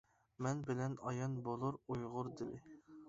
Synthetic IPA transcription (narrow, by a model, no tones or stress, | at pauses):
mɛnbɪlɛnɑjɑnbolˠuɾujʁʊɾd̪ɪlɪ